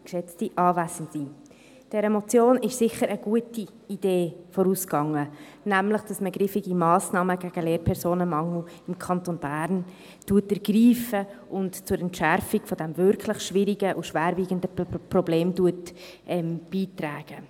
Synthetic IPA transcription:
kʃɛt͡stiʔɑːvæzn̩tsi | d̥ɛɾəmot͡sjoːnɪʃsɪχəɾəɡ̥uəti | id̥eːfɔɾuːskɑŋə | næmləχd̥ɑsməɡɾifiɡimɑːsnɑːməɡ̥æɡ̥əleːɾpʰɛɾsoːnəmɑŋuɪmkʰɑntonb̥æːɾn | tuətəɾɡ̥riːfəʔʊntt͡sʊɾɛntʃæɾfiɡ̥fɔd̥ɛmvʏɾkʰlɪχʃvɪɾiɡəʔuʃʋæːɾviːɡəndərobleːmduət | ʔɛmb̥iːtræːɡ̥ə

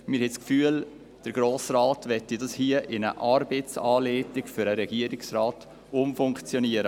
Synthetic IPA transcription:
mɪɾhɛskfyːəl | d̥əɾɡ̥ɾoːsraːtʋɛtːidɑshiəʔɪnə̰ʔɑɾbet͡sɑːleːtɪɡfʏɾəɾɛɡ̥iəɾɪksraːt | ʊmfʊŋkt͡sjɔniəɾə

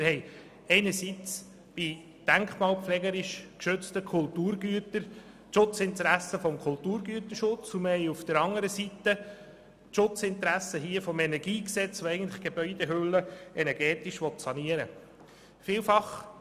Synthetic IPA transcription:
mɪɾhɛɪ | ɛɪnəɾsit͡s | b̥i | d̥æŋkχmɑːlpflɛːɡəɾɪʃkʃøt͡stəkʰʊltuːɾɡyətəɾ | ʃʊt͡sɪntəɾæsəfɔmkʰʊltuːɾɡyətəʃʊt͡suməhɛɪufd̥əɾɑŋəɾəsitə | ʃʊt͡sɪntəɾæsəɦiəfɔmɛnɛɾɡiːksɛt͡sʋoɛɪɡən̩tlɪχɡ̥eb̥œʏdeɦølːəɛnɛɾɡ̥ɛːtɪʃʋɔtsɑniəɾə̰ | fiːlfɑχ

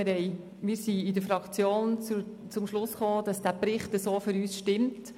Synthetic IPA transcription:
ɾhɛɪ | mɪːɾsiɪdəɾfɾɑkt͡sjoːnt͡su | t͡sʊmʃlʊsχoːd̥ɑsd̥æpɾɪχtəsoːfyɾyːsʃtɪmt

